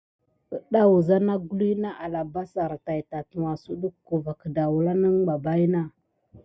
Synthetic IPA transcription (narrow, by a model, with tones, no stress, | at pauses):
ə˨ɗa˦wu˨za˦na˦ɡu˦li˦na˦ʔa˨la˨ba˦sa˨ɾta˨jta˨tu˨wa˨su˦ɗu˦kːu˨va˨kda˨wu˨la˦nə˦ŋba˨ba˦jna˦